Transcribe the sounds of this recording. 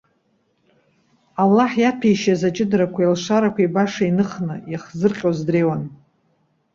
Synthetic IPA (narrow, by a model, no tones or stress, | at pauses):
alːaħjapʰijʃazat͡ʃʼɪdɾakʷʰailʂaɾakʷʰaibaʂainɨχnɨjaχzɨrqʲʼozdreːwan